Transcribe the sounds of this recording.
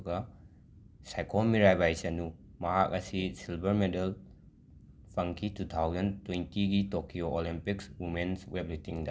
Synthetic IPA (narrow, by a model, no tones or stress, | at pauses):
ɡɐ | sajkʰomiɾajbajsɐnu | mɐɦak̚ɐsisilbɐɾmedel | pʰɐŋkʰitut̪ʰawzɐntwentiɡitokioʔolimpikswimenswep̚litiŋdɐ